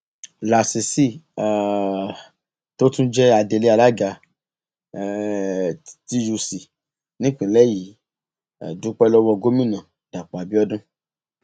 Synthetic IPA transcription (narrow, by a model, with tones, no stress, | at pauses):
la˨si˨si˦˨ | to˦tũ˦d͡ʒɛ˦a˧de˧˨le˧˦a˧˨la˦ɡa˧˨ | ti˦ju˧si˨ | nĩ˦k͡pĩ˨lɛ˦˨jḭ˨˦˨ | du˨˦k͡pɛ˦lɔ˦wɔ˧ɡo˦mĩ˦˨nã˨ | d̥a˨k͡pa˨bi˦ɔ˦dũ˦